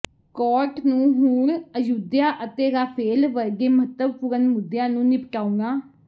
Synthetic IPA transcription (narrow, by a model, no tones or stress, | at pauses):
kɔːʈnũːɦuːɾəjuːd̪jaːʔət̪eːɾaːpʰeːlʋəɾɡeːməɦət̪ːəbpʊɾənmʊd̪ːjãːnũːnɪpʈaːũːɡaː